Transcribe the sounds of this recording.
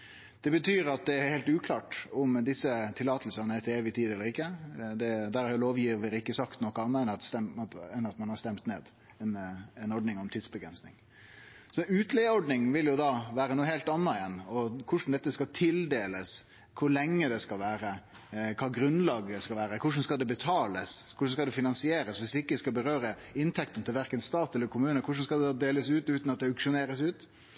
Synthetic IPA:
d̪̥ɛbət̪ʰyːɾɑt̪̚d̪ɛɛɾheːlt̪ʉːkʰlɑːʈɔmd̪ɪsːət̪ʰɪlːɑːt̪ʰəlsənəɛt̪ʰeːʋɪt̪ʰiːd̪ɛlːəɾɪkːəd̪ɛd̪æɾhɑɾjʊloːʋjiːʋəɾɪkːəsɑkt̪nɔkːəɑnːəɛnsɛɛnɑt̪mɑnhɑɾʂt̪ɛmt̪neːd̪ | ɛnɛnɔɖ̪nɪŋɔmt̪ʰiːd̪sbəɡɾɛnsnɪ̰ŋ | sɔʉːt̪lɛəɔɖnɪŋʋɪljʊd̪ɑːʋæːɾənuːəheːlt̪ɑnːɑɛnɔkʰʊʂn̩d̪ɛt̪ːəskɑt̪ʰɪld̪eːləs | kʰʊɾlɛŋːəd̪ɛskɑlʋæːɾə | kʰɑːɡɾʉnlɑːɡəskɑlʋæːɾəkʰʊʂ̬n̩skɑld̪ɛbət̪ʰɑːləskʰʊʂn̩skɑld̪ɛfɪnɑnsɪeːɾəsʋɪsɪkːəskɑlbəɾøːɾə | ɪnt̪ʰɛkt̪ən̩t̪ʰɪlʋæɾkənst̪ɑːt̪ɛlːəkʰʊmʉːnəkʊʂ̬n̩skɑld̪ɛd̪ɑːd̪eːləsʉːt̪ʉːt̪nɑt̪̚d̪ɛʉkʂʊneːɾəsʉːt̪

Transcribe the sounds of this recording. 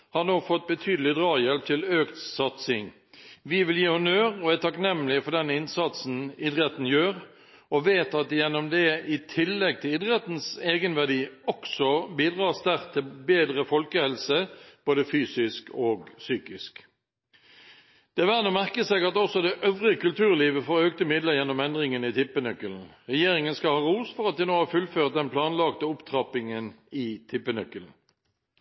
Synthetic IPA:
hɑnoːfɔt̪̚bət̪ʰyːd̪əlɪd̪ʁɑːjɛlp̚t̪ʰɪløːkt̪sɑt̪sɪŋ | ʋɪʋɪljiːhʊnøːɾɔæt̪ʰɑknɛmːlɪfɔɖ̪ɛnɪnsɑt̪sn̩ɪd̪ʁɛt̪n̩jøːɾ | ɔʋeːt̪ɑt̪̚jɛnːɔmd̪ɛɪt̪ʰɪlːɛɡ̚t̪ʰɪlɪd̪ʁɛt̪n̩seːɡənʋæʁd̪iːɔksɔbiːd̪ʁɑːsd̪æʁt̪ʰɪlbeːd̪ʁəfɔlkəhɛlsəb̥oːd̪əfyːsɪskʰoːɡsyːkɪsk | d̪̥ɛʋæːnomæʁkəsɛɡɑt̪ɔsɔd̪ɛʔøʋʁɪəkʉlt̪ʰʉːʁliːʋəfoːʁøːkt̪əmɪd̪ləjɛnːɔmɛnd̪ʁɪŋənɪt̪ʰɪpːənœkːəln̩ʁɛjeːʁɪŋənskɑlhɑːʁuːsfɔʁɑt̪̚d̪ɛnoːhɑːfʉlføːʁt̪̚d̪ɛnpʰlɑːnlɑkt̪əʊpt̪ʰʁɑpɪŋənɪt̪ʰɪpːənœkːəln̩

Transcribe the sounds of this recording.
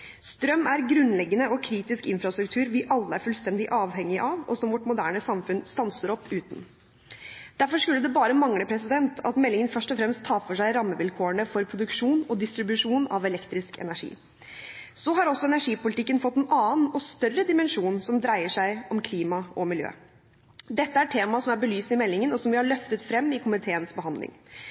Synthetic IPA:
st̪ɾœmæɾɡɾʉnlɛɡːənəɔkʰɾiːt̪ɪskɪnfɾɑst̪ɾʉkt̪ʰʉːɾʋɪʔɑlːəæɾfʉlst̪ɛnd̪ɪʔɑːʋhɛŋːɪʔɑʋɔ̰sɔmʋɔʈːmʊd̪æːɳəsɑmfʉnst̪ɑnsəɾɔpːʉːt̪n̩ | d̪̥æɾfɔʂkʉlːəd̪ɛbɑːɾəmɑŋləpʰɾɛsɪd̪ɛnt̪ʰɑt̪mɛlːɪŋənfœʂʈɔfɾɛmst̪ʰːɑːfɔʂæɪɾɑmːəʋɪlkʰoːəɳəfɔɾpʰɾʊd̪ʉkʂuːnɔd̪ɪst̪ɾɪbʉʂuːnɑʋɛlɛkt̪ɾɪskɛ̰næʂḭː | sɔɦɑɾɔsːɔɛnæʂiːpʊlɪt̪ɪkːənfɔt̪ːɛnʔɑːnɔst̪œrəd̪ɪmɛnʂuːnsɔmd̪ɾæɪəʂæɪɔmkʰliːmɑʔɔmɪljø̰ː | d̪ɛt̪ːəæʈʰeːmɑsɔmæɾbəlyːsnɪmɛlːɪŋənɔsɔmʋɪhɑɭœft̪ət̪fɾɛmːɪkʰʊmɪt̪ʰeːənsbəɦɑnd̪lʔɪ̰ŋ

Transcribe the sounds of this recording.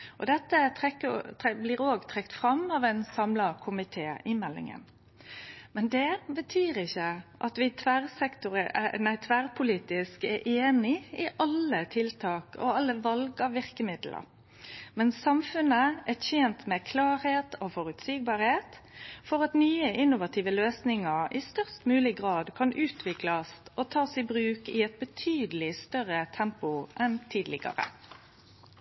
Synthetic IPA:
ʔɔd̪ɛt̪ːəɛkəblɪːɾoːɡt̪ʰɾɛkt̪fɾɑmɑʋæɪnsɑmlɑkʰʊmɪt̪ʰeːɪmɛlːɪ̰ŋə̰n | mɛnd̪ɛbət̪ʰyːɾɪçːəʔɑt̪ʋɪt̪ʰʋæɾsɛkt̪ʊɾənæɪt̪ʰʋæʁpʰʊliːt̪ɪskɛɾʔeːnɪɪʔɑlːət̪ʰɪlt̪ʰɑːkɔ̰ɑlːəʋɑlɡɑʋɪɾkəmɪd̪lʔə̰ɾ | mɛnsɑmfʉnəæçeːnt̪mɛkʰlɑːɾheːt̪oːfɔɾʉt̪siːɡ̚bɑːɾheːt̪ | fɔʁɑt̪nyːəʔɪnːʊʋɑt̪ʰiːʋəløːsnɪŋəɾɪst̪œʁst̪mʉːlɪɡʁɑːd̪kʰɑnʔʉːt̪ʰʋɪklɑsʔot̪ʰɑːsɪbɾʉːkɪɛt̪̚bət̪ʰyːd̪əlɪst̪œʁət̪ʰɛmpʊʔɛnt̪ʰiːd̪lɪ̰ɡə̰ʁə̰

